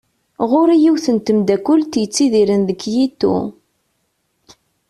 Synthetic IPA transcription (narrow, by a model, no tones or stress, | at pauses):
ʁʊɾijiwθənt̪əmd̪ækʷːʊlt̪jət͡sːiðiɾənðəkːjit̪ːṵ